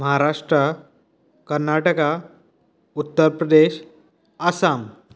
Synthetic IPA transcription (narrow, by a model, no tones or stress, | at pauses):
məɦaɾaʂʈɾa | kəɾnaʈəka | ut̪ːəɾpɾəd̪eɕ | asam